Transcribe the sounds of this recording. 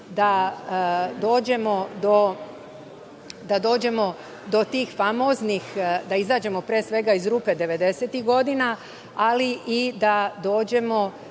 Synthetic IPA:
d̪a | d̪o̞ːd͡ʑe̞mo̞d̪o̞ | d̪ad̪o̞ːd͡ʑe̞mo̞ | d̪o̞t̪iːxfamo̞ːznixd̪aizaːd͡ʑe̞mo̞pɾeːsʋe̞ɡaizɾuːpe̞d̪e̞ʋe̞d̪e̞se̞t̪iɣɡo̞d̪ina | aliʔid̪ad̪o̞ːd͡ʑe̞mo̞

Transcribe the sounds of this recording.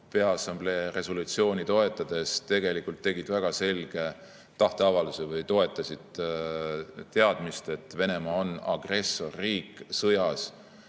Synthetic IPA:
peɑsɑmble̞ːre̞so̞lut̪sio̞ːnʲit̪o̞e̞t̪ːˑɑd̪̥e̞st̪e̞ɡ̥e̞likːult̪ːe̞ɡid̪væɡ̥ɑse̞lɡ̥e̞ | t̪ɑht̪e̞ɑvɑlusevɤjt̪o̞e̞t̪ːˑɑsid̪̥ | t̪e̞ɑd̪̥mist̪e̞t̪ːve̞ne̞mɑonɑ̰ɡ̥re̞sːo̞rːiːksɤjɑs

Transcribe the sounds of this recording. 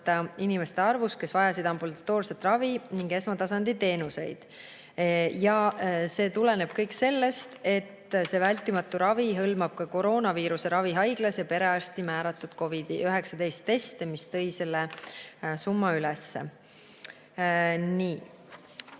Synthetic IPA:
t̪ːɑinime̞st̪e̞ɑrvuske̞svɑjɑsid̪̥ɑmbulɑt̪ːo̞ːrse̞t̪ːˑrɑviniŋɡe̞smɑt̪ɑsɑnd̪̥it̪e̞ːnuse̞jd̪̥ | jɑse̞ːt̪ule̞ne̞b̥kɤjkse̞lːe̞st̪e̞t̪ːse̞vælʲt̪ːˑimɑt̪ːˑuɾɑviɦɤlmɑb̥kɑko̞ɾo̞ːnɑviːɾuse̞ɾɑviɦɑjɡ̥lɑsjɑpe̞ɾe̞ɑst̪imæːɾɑt̪ːˑud̪̥ko̞vid̪̥ḭʔøɦe̞ksɑd̪e̞jst̪ːe̞st̪emist̪ɤ̞jse̞lːe | sumːɑylɛsːḛ | niː

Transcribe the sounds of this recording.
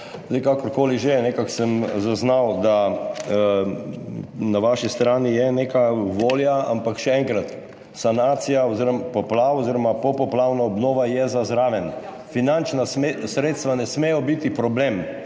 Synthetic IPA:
zd̪ɛjkakɔɾkoːliʒenekaksəmzaznawd̪a | naʋaʃist̪ɾaːnijɛneːkaʋoːljaa̰mpakʃɛɛŋkɾat̪ | sanaːt̪sijaɔziɾɔmpɔplawɔziɾɔmapɔpɔplawnaɔbnoːʋajɛzazɾaːʋɛn | finant͡ʃnasɾet̪st̪ʋanɛsmejɔbit̪ipɾɔbleːm

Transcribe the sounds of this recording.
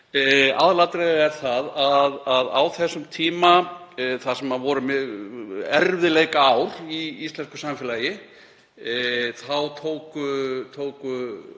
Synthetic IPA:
a̰ðlat̪ɾeɣaɛɾ̥θaðaðaðawθɛsːʏmt̪ʰiːmaθasɛmːaðvɔɾʏmʏ | ɛɾvðɪlejkaawɾ̥iist̪lɛnskʏ̥samfɪlajɪ | θawt̪ʰoːwkʏt̪ʰoːwkʏ

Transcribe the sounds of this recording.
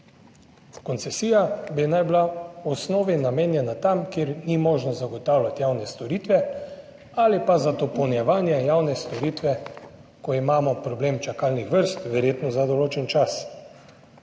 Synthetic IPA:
kɔnsɛsiːjabinajblaɔsnoːʋinameːnjɛnat̪amkeɾnimɔːʒnɔzaɡɔt̪aːwlʲjat̪jawnɛst̪ɔɾiːt̪ʋɛ | alipazad̪ɔpɔwnjɛʋaːnjɛjawnɛst̪ɔɾiːt̪ʋɛ | kɔimaːmɔpɾɔbleːmt͡ʃakaːlnixʋəɾst̪ʋɛɾjeːt̪nɔzad̪ɔloːt͡ʃɛnt͡ʃas

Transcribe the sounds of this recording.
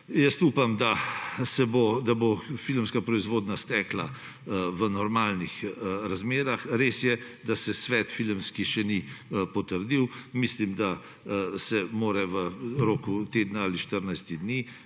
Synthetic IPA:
jɛst̪upamd̪asɛbod̪abofilmskapɾɔizʋoːd̪nast̪ɛːkla | ʋənɔɾmaːlnixɾazmeːɾaxɾeːsjɛd̪asɛsʋɛt̪filmskiʃɛniəpɔt̪əɾd̪iwmislimd̪a | sɛmoːɾɛʋəɾoːkut̪eːd̪naaːliʃt̪əɾnajst̪id̪ni

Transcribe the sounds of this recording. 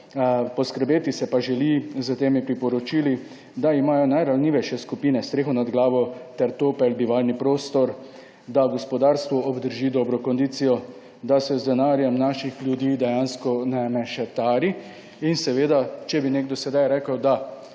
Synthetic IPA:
pɔskəɾbeːt̪isɛpaʒɛlizət̪eːmipɾipɔɾɔt͡ʃiːli | d̪aimaːjɔnajɾalniʋɛjʃɛskupiːnɛst̪ɾeːxɔnad̪ɡlaːʋɔt̪ɛɾt̪oːpɛlbiʋalnipɾoːst̪ɔɾ | d̪aɡɔspɔd̪aːɾst̪ʋɔɔbd̪əɾʒid̪ɔːbɾɔkɔnd̪iːt̪sijɔ | d̪asɛzd̪ɛnaɾjɛmnaʃixljud̪jiːd̪ɛjanskɔnɛmɛʃɛt̪aːɾi | insɛʋeːd̪at͡ʃɛbineɡd̪ɔsɛd̪ajɾɛkəwd̪a

